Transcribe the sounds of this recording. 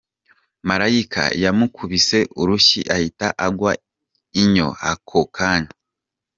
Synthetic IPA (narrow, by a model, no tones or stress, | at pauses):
maɾajikʰa̰jamukʰuβise̞ʔuɾuʃḭʔahitaʔaɡwa | iɲo̞̰akʰokʰana